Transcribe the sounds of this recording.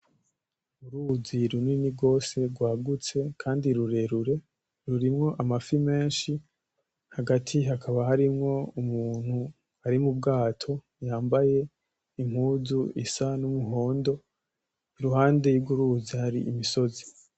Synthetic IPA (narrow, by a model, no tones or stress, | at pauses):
uɾuziɾuninibɡo̞ːse̞ɾɡwaːɡut͡se̞kʰaːndiɾuɾe̞ɾuɾe̞ | ɾuɾimŋo̞ʔamafime̞ːnʃi | haɡatʰiɦakʰaβahaɾimŋo̞umuːn̥hu | aɾimub̚ɡaːtʰo̞ | jaːmbaje̞ | im̥huːzuḭsanumuɦo̞ːndo̞ | iɾuhaːnde̞jubɡuɾuzihaɾḭʔimiso̞zi